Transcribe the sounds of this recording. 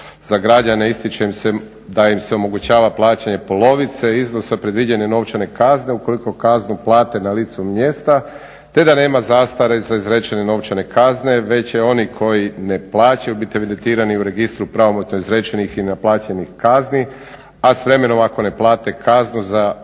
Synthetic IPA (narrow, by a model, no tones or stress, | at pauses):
zaɡɾad͡ʑaneist̪it͡ʃeimse | d̪aimseomo̞ɡut͡ɕaːʋaplˠaːt͡ɕaɲe̞po̞lo̞ʋit̪se̞izno̞sapɾe̞d̪ʋid͡ʑeɲeno̞ʋt͡ʃane̞kazne̞uko̞liko̞kaznuplˠaːt̪e̞nalit̪sumje̞st̪a | t̪e̞d̪ane̞ːmazaːst̪aɾezaizɾe̞t͡ʃeneno̞ʋt͡ʃane̞kazne̞ʋe̞t͡ɕeo̞nikʰo̞jine̞plˠaːt͡ɕajubit̪ie̞ʋid̪ent̪iːɾaniuɾe̞ɡist̪ɾupɾaʋo̞mot̪noizɾe̞t͡ʃenixinaplˠaːt͡ɕenixkazni | asʋɾe̞me̞no̞mako̞ne̞plˠaːt̪e̞kaznuza